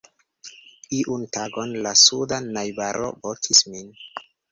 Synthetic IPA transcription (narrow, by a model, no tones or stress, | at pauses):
iʔuntaɡonlasudanajbaɾʔo̰vokʰismin